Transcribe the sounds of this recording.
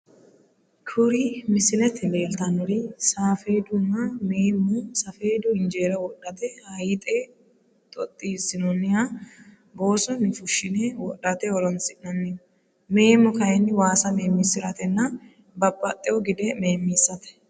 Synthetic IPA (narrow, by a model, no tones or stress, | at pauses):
kʰʊɾimɪsɪlɛt̪ːɪle̞ːlt̪ɐnɔɾisaːfeːd̪ʊnːɐmeːmːʊsɐfe̞ːd̪ʊɪnd͡ʒe̞ːɾɐwɔɗːɐt̪ɛhɐjt̪ʼe | t̪ʼɔt̪ʼːisːɪnɔnːɪha | bo̞ːsɔnɪfʊʃːɪnɛwɔɗːɐt̪ɛɔɾɔnsɪʔnɐnːɪ | me̞ːmːʊkɐhɛnːɪwaːsɐme̞ːmːisːɪɾɐt̪ɛnːɐ | bɐpʼːɐt̪ʼːɛɔɡɪd̪ɛme̞ːmːiːsːɐt̪ɛ̥